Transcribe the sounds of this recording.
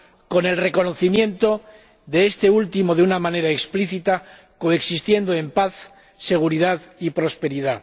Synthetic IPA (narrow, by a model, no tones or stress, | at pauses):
ko̞ne̞lre̞ko̞no̞θimjẽ̞nt̪o̞ | ðe̞est̪e̞ult̪imo̞ðeunamãne̞ɾaekspliθit̪a | ko̞e̞ksist̪je̞nd̪oe̞mpaθ | se̞ɣ̞uɾiðaðipɾo̞spe̞ɾiða